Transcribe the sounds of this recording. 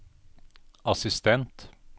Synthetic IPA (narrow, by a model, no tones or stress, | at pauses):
ɑsɪst̪ʰɛnt̪